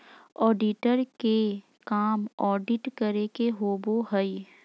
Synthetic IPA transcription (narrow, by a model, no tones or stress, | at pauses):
ɔːɖiʈəɾke | kaːmɔːɖɪʈkəɾekeɦoːboɦəi